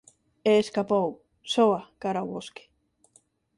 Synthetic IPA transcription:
eːskapow | soakaɾawβoske̥

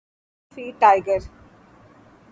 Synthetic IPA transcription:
fiːʈaɪɡəɾ

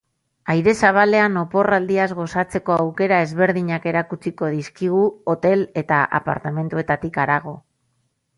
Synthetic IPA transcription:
ajɾe̞saβ̞ale̞ano̞po̞rald̪iazɣo̞sat͡se̞ko̞awke̞ɾae̞zβe̞ɾðiɲake̞ɾakut͡siko̞ðiskiɣ̞uot̪e̞le̞t̪aʔa̰pa̰ɾt̪ame̞nt̪ue̞t̪at̪ikaɾaɣ̞o̞

